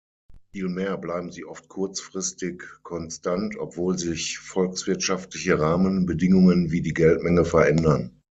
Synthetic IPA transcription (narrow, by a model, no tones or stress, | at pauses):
fiːlmeːɐblaɪbm̩ziːʔɔft̚kʰʊɐt͡sfʁ̥ɪstɪkkʰːɔnstantʰɔ̰pv̥oːlzɪçfɔlksv̥ɪɐtʃaftlɪçəʁaːmənbədɪŋʊŋənviːdiːɡɛltmɛŋəfɛɐʔɛndɐn